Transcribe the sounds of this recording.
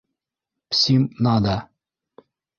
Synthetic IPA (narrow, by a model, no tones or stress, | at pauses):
psʲimnad̪a